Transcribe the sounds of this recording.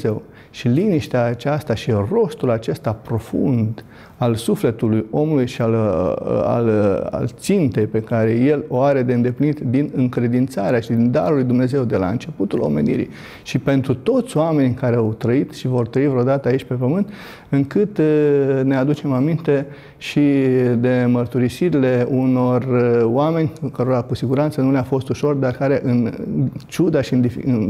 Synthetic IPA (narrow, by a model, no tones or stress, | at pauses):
ew | ʃiliniʃt̪eaːt͡ʃast̪aʃiro̞st̪ulat͡ʃe̞st̪apɾo̞fṵnd̪ | alsufle̞t̪ulujo̞mulujʃial | a̰la̰lt̪sint̪e̞jpe̞kaɾe̞je̞lo̞aɾe̞d̪eɨnd̪e̞plinit̪d̪inɨŋkɾe̞d̪int̪saɾeaʃid̪ind̪a̰ɾulujd̪umne̞ze̞wd̪e̞la̰ɨ̰nt͡ʃe̞put̪ulo̰me̞̰nḭɾḭ | ʃipe̞nt̪ɾut̪o̞t̪sʲoame̞nʲkaɾe̞awt̪ɾəit̪ʃivo̞rt̪ɾəivɾeod̪at̪əait͡ʃʲpe̞pəmɨnt̪ | ɨŋkɨt̪ne̞ad̪ut͡ʃe̞mamint̪e̞ | ʃid̪e̞mərt̪uɾisiɾile̞uno̞roame̞nʲkəɾo̞ɾakusiɡuɾant̪sənuleafo̞st̪uʃo̞rd̪arkaɾe̞ʔɨnt͡ʃud̪aʃiɨnd̪ifiɨn